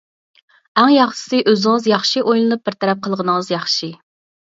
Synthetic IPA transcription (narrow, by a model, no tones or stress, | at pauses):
æŋjɑχʃɪ̥sɨʔøzɪŋɨzjɑχʃiʔojlˠɨnup̚bɪɾt̪ʰɛɾɛp̚qʰəlˠʁənɨŋəzjɑχʃi